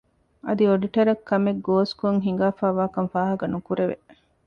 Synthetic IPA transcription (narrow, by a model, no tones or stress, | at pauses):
ɐd̪ioɖiʈɐɾɐkʰːɐmeɡoːskoŋɦiŋ̆ɡaːfaːʋaːkɐnfaːɦɐɡɐnukuɾeʋḛ